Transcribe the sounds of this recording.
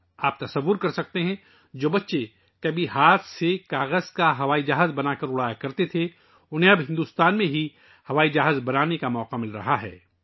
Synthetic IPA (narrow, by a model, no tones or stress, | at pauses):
aːp̚t̪ɐsɐʋːʊɾkɐɾsɐk̚t̪eɦɛ̃ | d͡ʒoːbɐtːʃe | kɐbʱiɦaːt̪ʰsekaːɣəz̥kaɦɐʋaːid͡ʒaːɦzbɐnaːkɐɾʊɽaːjakɐɾt̪et̪ʰe | ʊnɦẽɐbɦɪ̃nd̪uːst̪aːnmẽɦi | hɐʋaːid͡ʒaːɦzbɐnaːnekamɔːqamɪlɾɐ̰ɦaɦɛ̰ː